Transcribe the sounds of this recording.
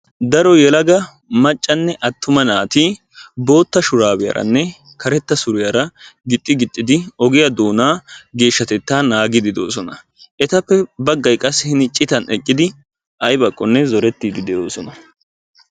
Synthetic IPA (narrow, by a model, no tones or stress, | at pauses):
d̪ɐɾɔjɛlɐɡɐ | mɐt͡ʃʼːɐnːɛʔɐt̪ːʊmɐnaːt̪i | bo̞ːt̪ːɐʃʊɾaːbɪjɐ̰ɾɐ̰nːɛ | kɐɾɛt̪ːɐsʊɾɪjɐɾɐɡɪt̪ʼːɪɡɪt̪ʼːɪd̪ɪɔɡɪjɐd̪oːnaːɡe̞ːʃːɐt̪ɛt̪ːaːnaːɡɪd̪ɪd̪o̞̰ːsɔnɐ | ʔɛt̪ɐpːɛbɐɡːɐjkʼɐsːɪhɪnɪt͡ʃʼːɪt̪ɐnɛkʼːɪd̪ɪ | ʔɐjbɐkʼːɔnːɛzɔɾɛt̪ːiːd̪ɪd̪ɛjo̞̰ːsɔnɐ